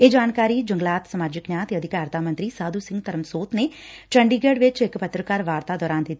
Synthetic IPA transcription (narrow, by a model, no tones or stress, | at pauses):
eːd͡ʒaːnkaːɾiːd͡ʒəŋɡlaːt̪səmaːd͡ʒɪknjaːt̪eːəd̪ʱɪkaːɾt̪aːmənt̪ɾiːsaːd̪uːsɪ̃ŋɡt̪əɾəmsoːt̪neːʈəɳɖiːɡeːɖʋɪt͡ʃɪkpət̪ɾəkaːɾʋaːɾt̪aːd̪ɔːɾaːnd̪ɪt̪ːi